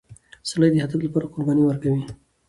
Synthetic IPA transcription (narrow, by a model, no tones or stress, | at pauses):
salajd̪əhad̪aflapɑːɾaqʊɾbɑniwəɾkawi